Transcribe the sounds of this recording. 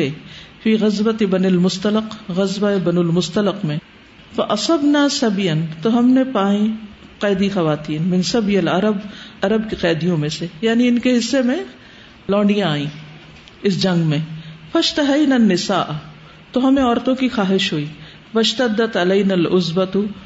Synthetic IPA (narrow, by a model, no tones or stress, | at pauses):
efiːɣɐzbɐt̪ɪbɐnɪlmʊst̪ɐləqɣɐzbaebɐnʊlmʊst̪ɐləqmẽ | fɐʔɐsˤɐbnaːsɐbijɐnt̪oɦɐmnẽpaːĩ | qaːd̪ixɐʋaːt̪iːnmɪ̃nsɐbjɐlɐɾɐbɐɾɐbkiqɛːd̪ijõmẽsejaːniɪnkeɦɪsːemẽ | lɔ̃ːɳɖijãaːĩː | ɪs̬d͡ʒɐ̃ŋɡmẽfɐʃt̪ɐɦɐjnɐnːɪsaːʔ | t̪oɦɐmẽɔːɾt̪õkixaːɦɪʃɦoːiː | wɐʃt̪ɐd̪ːɐt̪ɐlɐːnalʊzbɐt̪